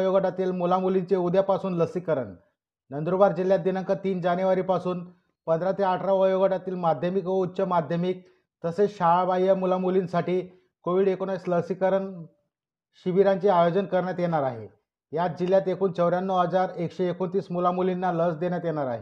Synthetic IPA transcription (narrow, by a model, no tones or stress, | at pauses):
joɡəʈat̪iːlmulamulint͡ɕeud̪japasuːnləsikəɾə̰ɳ | nənd̪ɾubaɾd͡ʑiljat̪̚d̪inəŋkət̪iːnd͡ʑanjuʋaɾiːpasuːn | pənd̪ɾat̪eaʈʰɾaʋəjoɡəʈat̪iːlmad̪ʱjəmikʋəut̪ːɕəmad̪ʱjəmiːk̚ | t̪əseɕaɭabajəmulamulinsaʈiː | koʋiːɽekonaisləsikəɾəɳ | ɕiʋiɾant͡ɕeajod͡ʑənkəɾɳjat̪jeɽ̃aɾaɦḛ | jat̪̚d͡ʑiljat̪ekʰuːnt͡səʋɾjanːəwɦəd͡zaɾekɕeːkont̪iːsmulamulinːaləsd̪eɳjat̪jeɽ̃aɾa̰ɦḛ